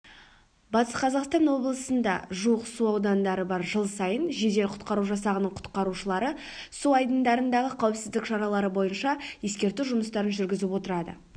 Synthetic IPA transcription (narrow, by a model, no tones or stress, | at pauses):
bɑt̪əsqʰɑzɑqst̪ɑnwo̞blˠəsənd̪ɑ̰ʒuəqsuɑwd̪ɑnd̪ɑɾəbɑɾʒəlˠsɑjənʒe̞d̪e̞lqʰʊ̥t̪qɑɾuʒɑsɑʁənəɴqʰʊ̥t̪qɑɾuʃəlˠɑɾə | suɑjd̪ənd̪ɑɾənd̪ɑʁəqʰæwɪpsɪzd̪ɪkʃɑɾɑlˠɑɾəbo̞jənʃɑje̞skʲe̞ɾt̪uʒʊməst̪ɑɾənʒʏɾɡʲɪzɪpwo̞t̪əɾɑd̪ə̰